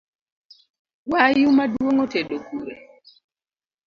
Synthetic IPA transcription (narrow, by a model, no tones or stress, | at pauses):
wajumadwwoŋoteɗokuɾḛ